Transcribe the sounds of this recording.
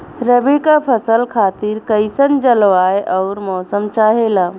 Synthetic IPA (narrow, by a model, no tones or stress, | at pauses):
ɾəbikapʰəsəlkʰat̪iɾkəɪsənd͡ʒəlʋajʔɔʊɾmɔsəmt͡ʃaɦela